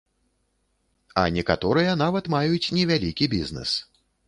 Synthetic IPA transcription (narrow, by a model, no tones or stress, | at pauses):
ɐ̰nʲɛkat̪ɔɾɨjɐn̪avɐt̪majut͡sʲnʲɛvʲalʲikʲibʲiznɛ̰s